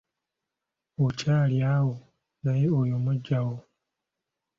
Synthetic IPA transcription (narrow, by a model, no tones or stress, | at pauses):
ocaːljawo | najeojomuɟːawo